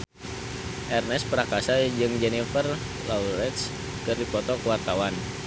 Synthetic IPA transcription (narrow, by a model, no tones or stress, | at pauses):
ʔɛrnɛspəɾakasad͡ʒɨŋd͡ʒɛnifər | lauɾɛt̪s | kɨrdipɔt̪ɔkəwart̪awan